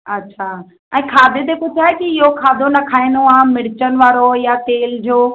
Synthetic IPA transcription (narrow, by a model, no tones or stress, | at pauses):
ɐtːɕʰa | ɛ̃ːkʰaːd̪ʱet̪̬epʊt̪ʰaːekiɪɦokʰaːd̪ʱonɐkʰaːinoaːmɪɽɪt͡ɕənɪ̆ʋaːɾojat̪eːld͡ʑoː